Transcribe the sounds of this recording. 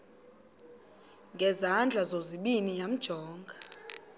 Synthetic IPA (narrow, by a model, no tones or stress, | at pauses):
ŋɡʱɛzand͡ɮʱazoziɓinijam̩d̥ʒ̥ʱɔːŋɡʱa